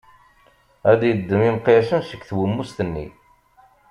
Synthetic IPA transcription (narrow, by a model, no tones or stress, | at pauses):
æd̪jəd̪ːəmimqːesənsə̥kːθwəmːust̪ənːḭ